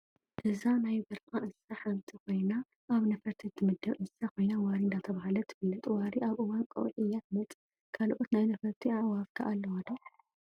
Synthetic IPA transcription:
ʔɨzanajɡɐɾkʼaʔɨsːaħamt̪ʰikʰo̞jna | ʔaβnɐfɐɾt̪ʰit̪ʰːɨmɨd̪ːɐβʔɨsːakʰo̞jnawaɾiɨnd̪at̪ʰɐβahalɐt̪ʰɨfɨlːɐt̪ʼwaɾiʔaβʔɨwankʼo̰ʔʔɨjːat̪mɐt͡s̪ʼ | kʰalʔot̪najnɐfɐɾt̪ʰiaʕwafkʰa̰ʔalːɐwɐd̪ɐ

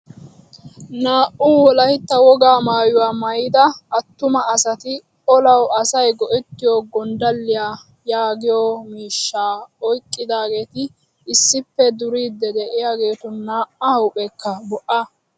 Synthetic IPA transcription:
naːʔuːwɔlɐhɪt̪ːɐwɔɡaːmaːjʊwaːmɐjɪd̪ɐɐt̪ːʊmɐːsɐt̪ɪ | ɔlɐwɐsɐjɡɔʔɛt̪ːɪjoːɡɔnd̪ɐlːɪjaː | jaːɡɪjoːmiːʃːaːɔjkʼːɪd̪aːɡe̞ːt̪ɪ | ɪsːɪpːɛd̪ʊɾiːd̪ːɛd̪ɛʔɪjaːɡe̞ːt̪ʊnaːʔɐhɐwpʼɛkːɐbɔʔɐ

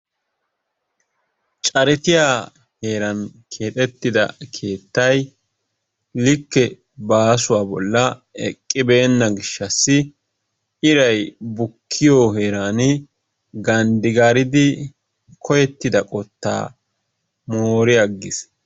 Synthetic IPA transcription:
t͡ʃʼɐɾɪt̪ɪjaː | he̞ːɾɐnkʰe̞ːt̪ʼɛt̪ːɪd̪ɐ̰kʰe̞ːt̪ːɐj | lɪkːɛ | baːsʊwaːbɔ̰lːɐɛ̰kʼːɪbe̞ːnːɐɡɪʃːɐsːɪ | ɪɾɐjbʊkʰːɪjoːɦeːɾaːnɪ | ɡɐnd̪ɪɡaːɾɪd̪ɪ | kʰɔjɛt̪ːɪd̪ɐkʼɔt̪ːa̰ː | moːɾɪɐɡːɪs

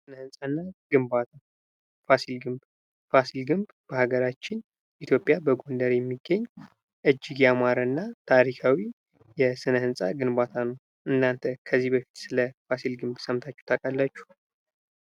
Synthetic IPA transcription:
sɨnəhɨnsʼanːaɡ̥ɨmbat̪ʰa | fasilɡɨmb | fasilɡɨmb | b̥əhaɡəɾat͡ʃːɪn | ʔit̪ʰjo̞pʼjabəɡo̞nd̪əɾjɛmːiɡːəɲː | ʔɨd͡ʒːɪɡjamaɾɨnːat̪ʰaɾikʰawi | jɛsɨnəhɨnsʼaɡɨnbat̪ʰanəw | ʔɨnːant̪ʰəkʰəzːihbəfi̥t̪sɨləfasilɡɨmbsəmt̪ʰat͡ʃːɛw̥t̪ʰakʼalːat͡ʃːu̥

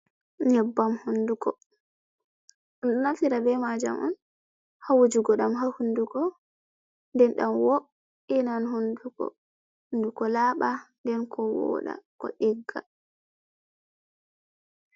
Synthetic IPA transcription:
ɲɛbːamhundukɔ | ɔnɗɔnafiɾabɛmad͡ʒa̰mʔɔ̰n | hawod͡ʒuɡɔɗamɦahundukɔ | ndɛnɗamwo | inanhondukɔ̰ | hndukɔlaːɓandɛnkɔwɔ̰ːɗa̰kɔ̰ɗiɡːa̰

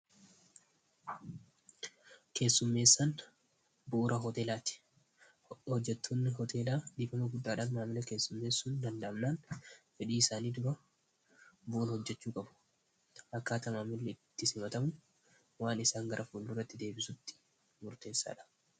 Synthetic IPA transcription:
ke̞ːsːʊmːe̞ːsːɐn | bʊːɾɐɦɔt̪e̞ːlaːt̪ɪ̥ | hɔd͡ʒːɛt̪ːoːnːɪhɔt̪ʰe̞ːlaːd̪ɪːbɐmɐɡʊdːaːᶑaːnmaːmɪlɐke̞ːsːʊmːe̞ːsːuːnd̪ɐnd̪ɐʔːmnaːnfɛᶑiːɪsaːniːd̪ʊɾɐ | bʊʔːnhɔd͡ʒːɛt͡ʃːuːkʼɐbʊ̥ | ʔɐkːaːt̪ɐmaːmɪlːɐɪt̪ːɪsɪmɐt̪ɐmʊ | waːnɪsaːŋɡɐɾʔɐfuːlːuːrːɐt̪ːɪd̪e̞ːbɪsʊt̪ːɪ̥ | mʊɾt̪e̞ːsːa̰ːᶑɐ̥

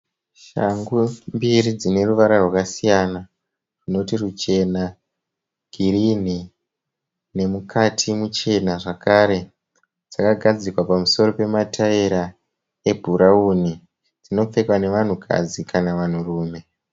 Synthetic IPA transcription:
ʃa̰ŋɡumbirid͡zine̞ruʋaɾarwakasijana | rino̞tirut͡ʃe̞na | ɡ̥ʱirin̤i | ne̞mukatʰimut͡ʃe̞naʐakaɾe̞ | d͡z̥akaɡʱad͡zikwapamuso̞ɾo̞pe̞matʰaeɾa | e̞bʱuɾauni | d͡zino̞p͡fe̞kwane̞ʋan̤ukʰa̰d͡zikʰanaʋan̤uruːme̞

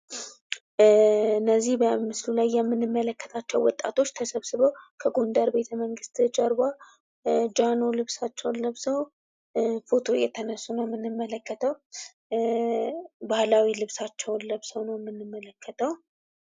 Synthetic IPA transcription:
ɨnːəzːihbəmɨslulajːɛmːɨnːɨmːələkːə̥t̪ʰat͡ʃːɛwɔt̪ʼːa̰t̪ʰo̞t͡ʃːt̪ʰəsəβsɨβəwkʰəɡond̪əɾbe̞t̪ʰəməŋɡɨst̪t͡ʃʼəɾba | d͡ʒano̞lɨβsat͡ʃːɛwnləβsəw | fot̪ʰo̞jɛt̪ʰənəsːunəwmːɨnːɨmːələkːət̪ʰəw | bahlawilɨβsat͡ʃːɛwnləβsəwnəwmːɨnːɨmːələkːət̪ʰəw

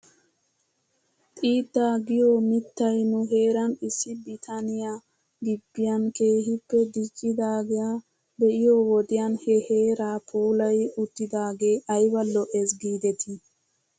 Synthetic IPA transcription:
t̪ʼiːd̪ːaːɡijoːmɪt̪ːɐjnuɦeːɾɐnisːibɾit̪ʰanija | d̪ibːijɐnkeːɦipːɛd̪it͡ʃʼːid̪aːɡɛja | bɛʔɪjowɔd̪ijanhɛheːɾaːpʰuːlɐjut̪ːid̪aːɡeːʔɐjwɐlːɔʔɛs̬ɡiːd̪ɛt̪ʰi

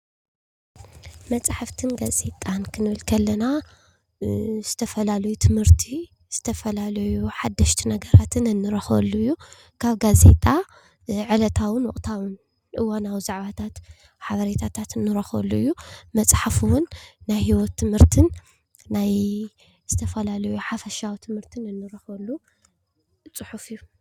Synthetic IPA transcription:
mɐt͡sʼħaft̪ʰɨnɡaze̞t̪ʼankʰɨnɨβɨlkʰɐlːɐna | z̥ɨt̪ʰɐfɐlalɐjut̪ʰɨmhɨɾt̪ʰi | z̥ɨt̪ʰɐfɐlalɐjuħad̪ːɐʃt̪ʰinɐɡɐɾat̪ʰɨnɨnːɨɾɐxɐ̰lːuɨjːu | kʰaβɡaze̞̰t̪ʼa | ʕɨlɐt̪ʰawɨnwɔχʼt̪ʰawɨn | ʔɨwanawzaʕβat̪ʰat̪ | ħaβɐɾet̪ʰat̪ʰat̪ɨnːɨɾɐxɐ̰lːuɨjːumɐt͡sʼħafuwʊnːajhiwɔt̪ʰːɨmhɨɾt̪ʰɨnː | aj | z̥ɨt̪ʰɐfɐlalɐjuħafɐʃawt̪ʰɨmhɨɾt̪ʰɨnɨnːɨɾɐxɐlːu | t͡sʼɨħufɨjːu

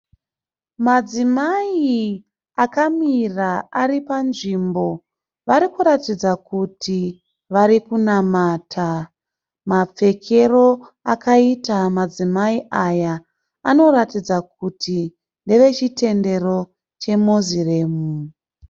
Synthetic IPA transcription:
mad͡zimai | akamiraaɾipanʐimbo̞ | ʋaɾikuɾatid͡zakutʰi | ʋaɾikunamatʰa | map͡fe̞kʰe̞ro̞akaitamad͡zimaiʔaja | ano̞ɾatid͡zak̚utʰi | nde̞ʋe̞t͡ʃite̞nde̞ɾo̞ | t͡ʃe̞mozire̞ːmu

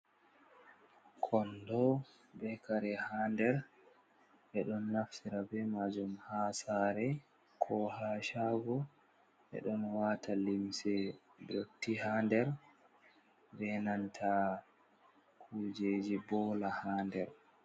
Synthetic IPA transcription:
kʰɔndɔ | bɛkaɾɛhandɛɾ | ʔɛɗɔnːafsiɾabɛmad͡ʒumhasaɾɛ | kʰɔhaːʃaɡɔ | ʔɛ̰ɗɔnwatʰalimsɛ | boktːihandɛɾ | bɛnantʰa | kʰud͡ʒed͡ʒibɔːlahaːndɛɾ

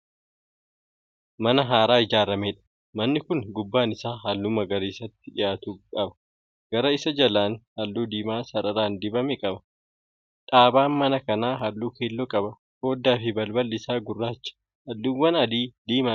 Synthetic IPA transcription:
mɐnɐɦaːɾaːɪd͡ʒaːɾɐmeːᶑɐ̥ | mɐnːɪkʊŋɡʊbːaːnɪsaːɦɐlːuːmɐɡɐɾiːsɐt̪ːɪᶑɪjaːt̪uːkʼɐbɐ̥ | ɡ̥ɐɾɐɪsɐd͡ʒɐlaːnhɐlːuːd̪iːmaːsɐɾɐɾaːnd̪ɪbɐmɛkʼɐbɐ̥ | ᶑaːbaːnmɐnɐkɐnaːɦɐlːuːkʰeːlːɔkʼɐbɐ | koːd̪ːaːfɪbɐlbɐlːɪsaːɡʊrːaːt͡ʃːɐ̥ | hɐlːuːwːɐnɐd̪iːd̪iːma

